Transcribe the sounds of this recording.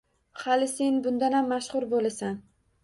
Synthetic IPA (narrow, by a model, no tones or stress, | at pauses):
halɪse̞nbʊnd̪anamːaʃχʊɾbolasan